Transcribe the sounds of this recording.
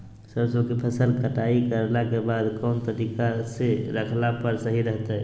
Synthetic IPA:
səbsəkepʰəsəlkəʈaikəɾlakebaːd̪kɔːnt̪əɾikaseɾəkʰlapəɾsəɦiɾəɦt̪aɛ

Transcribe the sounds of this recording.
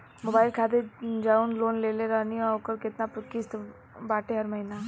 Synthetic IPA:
moːbaːɪlkʰaːd̪ed͡ʒaːunloːnleːleɾɐniokəɾkɪt̪napʊkist̪ | baːʈeɦɐɾmɐɦina

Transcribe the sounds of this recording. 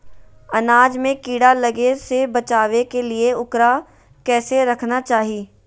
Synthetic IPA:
ɐnaːd͡ʒmẽkiːɽalɐɡesebɐt͡ʃaːʋekelieʊkɾa | kɛːseɾɐkʰnat͡ʃaːɦiː

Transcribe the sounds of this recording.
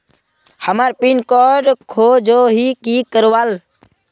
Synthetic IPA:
həmaːɾpiːnkɔːɖkʰoːd͡ʒoːɦiːkiːkəɾʋaːl

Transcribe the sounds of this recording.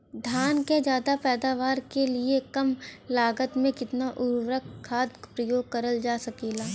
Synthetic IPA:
d̪ʱjaːnked͡ʒjaːd̪apɛːd̪aːʋaːɾkeliekɐmlaːɡət̪mẽkɪt̪naʔʊɾʋɾəkʰːaːd̪kpɾəjoːɡ̚kɐɾəld͡ʒaːsɐkeːlaː

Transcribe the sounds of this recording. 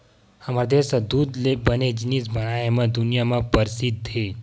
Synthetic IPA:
amaɾd̪esəd̪ud̪lebəned͡ʒinisbəɽ̃ajemãd̪unijamãpəɾsid̪̚tʰe

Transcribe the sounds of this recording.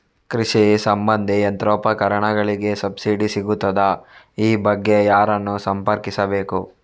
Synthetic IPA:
kɾiʂisɐmbɐnd̪ʱiɐnt̪ɾɔːpɐkɐɾɐɳɐɡɐɭiɡe̞sɐbsiːɖisiɡut̪ːɐd̪ɐ | iːbɐɡːe̞jaːɾɐnːusɐmpɐɾkisɐbeːku

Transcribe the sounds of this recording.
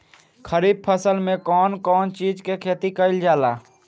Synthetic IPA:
kʰəɾiːb̚pʰəsəlmẽkɔːnkɔːnt͡ʃiːd͡ʒkekʰeːt̪ikəɪld͡ʒaːlaː

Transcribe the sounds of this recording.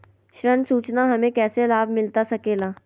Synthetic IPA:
ʃɾənsuːt͡ʃnaɦɐmẽkɛːselaːbʱmɪlt̪asɐkeːlaː

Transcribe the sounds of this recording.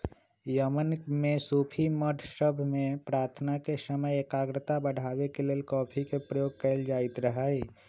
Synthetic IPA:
jəmənmẽsuːpʰiməʈ̪ʰʃəbʱmẽpɾaːɾt̪ʰnakesəməjekaːɡɾət̪abəɽ̤ʱaːwekeleːlkɔːpʰikepɾəjoːɡ̚kəɪld͡ʒaːɪt̪ɾəɦaːeː

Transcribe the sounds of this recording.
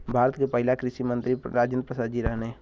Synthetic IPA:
bʱaːɾət̪kepəɦɪlakɾɪʃimə̃nt̪ɾiɾaːd͡ʒə̃nd̪̚pɾəsaːd̪d͡ʒiɾɛɦne

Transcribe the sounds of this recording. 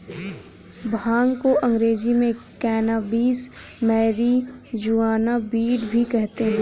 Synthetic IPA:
bʱãːŋɡkoʔɐ̃ŋɡɾeːd͡ʒimẽkɛːnaːbiːsmɛːɾid͡ʒuːaːnabiːɖbʱikɛɦt̪eɦɛ̃

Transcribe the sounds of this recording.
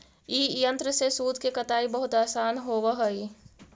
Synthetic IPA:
iːjə̃nt̪ɾəsesuːd̪ʱkekɐt̪aːibɐɦʊt̪aːsaːnɦoːʋaɦoi

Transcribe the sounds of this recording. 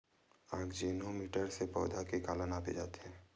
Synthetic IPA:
aːɡd͡ʒenɦomiːʈəɾsepɔ̰ːd̪ʱakikaːlənaːpḛd͡ʒaːt̪eɦɛ̃ː

